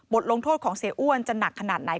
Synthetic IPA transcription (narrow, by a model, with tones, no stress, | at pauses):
bo˨˩t̪̚lo˧ŋt̪ʰoː˥˩t̪̚kʰɔː˩˦ŋseː˩˦ʔu˥˩ənt͡ɕa˧na˨˩kʰːa˧naː˨˩t̪̚na˨˩˦j